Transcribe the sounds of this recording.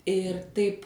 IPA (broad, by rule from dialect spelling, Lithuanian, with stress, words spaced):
ɪr ˈtɐɪp